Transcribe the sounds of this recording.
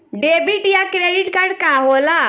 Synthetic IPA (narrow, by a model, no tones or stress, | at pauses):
ɖebiʈjakɾeɖiʈkaɾɖkaɦola